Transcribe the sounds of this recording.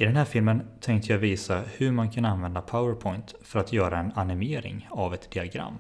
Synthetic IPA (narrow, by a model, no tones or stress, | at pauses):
ɪd̪ɛnɦæːɾfɪlmənt̪ʰɛŋkt̪əjaviːsahɵɾmankʰananvɛnd̪apʰaʊəɾpʰɔjnt̪fœɾat̪jœːɾaɛnanɪmeːɾɪ̰ŋavɛt̪d̪̥ɪaɡɾa̰mː